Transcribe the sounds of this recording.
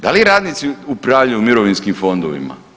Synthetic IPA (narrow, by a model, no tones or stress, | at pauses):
d̪aliɾaːd̪nit̪siupɾavʎajumiɾoʋinskimfond̪oʋḭma̰